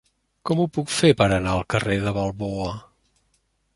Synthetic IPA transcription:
kɔmupukfepəɾənaəlˠkəreðəβəlˠβoə

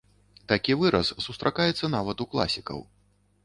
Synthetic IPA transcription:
t̪akʲivɨɾɐsːust̪ɾʔakajɛt̪sːɐnavɐt̪uklˠa̰sʲikɐ̰w

